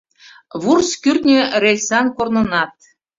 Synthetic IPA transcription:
βurskyrʲt̪nʲĕrʲelʲsɑnkornɤ̆nɑt̪̚

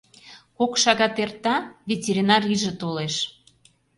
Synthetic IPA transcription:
kokʃɑɣɑt̪ert̪ɑvʲetʲeɾʲinɑriʒə̆t̪oleʃ

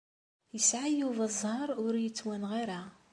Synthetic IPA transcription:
jəsʕajuðˤɑzˤhɑɾˤʊɾjət͡sːwænʁiɾa

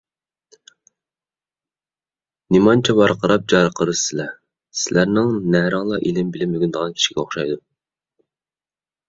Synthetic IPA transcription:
nimɑnt͡ʃʰɛbɑɾqʰəɾɑp̚d͡ʒɑɾqʰəɾɨɨlɛ | sɪlæɾnɪŋnæɾɑŋlˠɑʔilɪmbɪlɪmøyɡʲynd̪əʁɑnkʲʰi̥ʃi̥ɡʲɛoχʃɑjd̪u

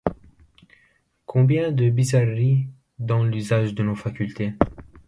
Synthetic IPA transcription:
kʰɔ̃bjɛ̃d̪əbizarːi | d̪ɑ̃lyzaʒd̪ənofakʲylt̪e

